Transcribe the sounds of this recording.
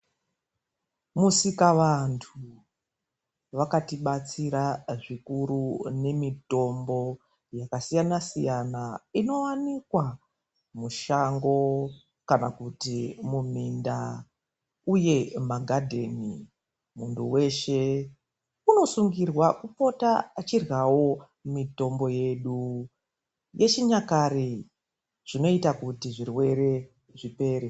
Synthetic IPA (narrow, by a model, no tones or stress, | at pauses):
musikaʋantʰu | ʋakatiɓat͡siɾaʐikuɾune̞mito̞mbo̞ | jakasijanasijanaino̞wanikwa | muʃaŋɡo̞ | kanakutimuminda̰ | uje̞maɡʱadʱe̞nḭ | munduwe̞ʃe | uno̞suŋɡirwakupo̞tat͡ʃirɣawo̞ | mito̞mbo̞je̞ɗu | je̞t͡ʃiɲakare | ʐ̥ino̞itakutiʐirwe̞ɾe̞ | ʐipe̞ːɾe